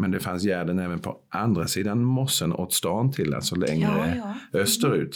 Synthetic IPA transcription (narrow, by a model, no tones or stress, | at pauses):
mɛnd̪ɛfansjæd̪ənɛːvənpʰɔʔand̪ɾasiːd̪anmɔsːənʔo̰ːt̪st̪ɑːnt̪ʰɪlːa̰lsɔlɛ̰ŋɾəœst̪əɾʉ̰ːt̪